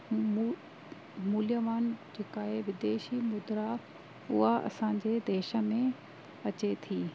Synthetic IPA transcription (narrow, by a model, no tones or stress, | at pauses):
m | muːlijəʋaːnd͡ʑeːkaːɦeʋɪd̪eːʃimʊd̪ɾa | ʊɦaʔɐ̰sãːɲ̆d͡ʑed̪eːʃə̆mẽ | ɐt͡ɕet̪ʰiː